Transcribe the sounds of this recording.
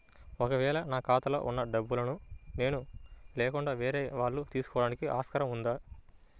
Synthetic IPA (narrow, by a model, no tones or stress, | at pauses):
ɔkɐʋɛːɭɐnaːkaːt̪ɐlo̰ːʔunːɐɖɐbːulɐnune̞ːnulɛːkuɳɖaːʋeːɾeːʋaːɭːut̪iːsu̥kɔːɽaːnikiʔa̰ːskɐɾɐmund̪aː